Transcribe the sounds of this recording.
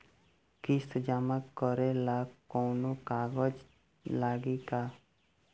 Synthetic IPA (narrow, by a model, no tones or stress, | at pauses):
kist̪d͡ʒamakːɔɾelakoːnokaːɡəd͡ʒ | laːɡikaː